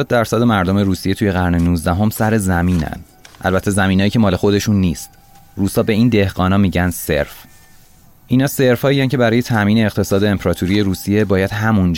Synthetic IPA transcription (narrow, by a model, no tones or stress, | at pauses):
ɔːd̪̚d̪æɾsæd̪e̞mæɾd̪o̞me̞ɾuːsije̞t̪ʰuːje̞ɣæɾnenuːzd̪æɦo̞msæɾe̞zæmiːnæ̰n | ʔæ̰lbæt̪ʰːe̞zæmiːnɒːjiːcʰemɒːle̞xo̞d̪e̞ʃunːiːst̪ | ruːsɒːbe̞iːnd̪e̞hɡɒːnɒːmiːɟænse̞̰ɾf | ʔiːnɒːse̞ɾfhɒːijæncʰe̞bæɾɒːje̞t̪ʰæmiːne̞ːɣt̪ʰe̞sɒːd̪e̞ːmpʰɾɒːt̪ʰuɾijeɾuːsije̞bɒːjæd̪̥hæmund͡ʒ